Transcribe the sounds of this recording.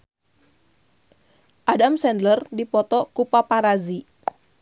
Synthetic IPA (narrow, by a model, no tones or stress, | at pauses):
ʔadamsɛndlərdipɔt̪ɔkupapaɾazi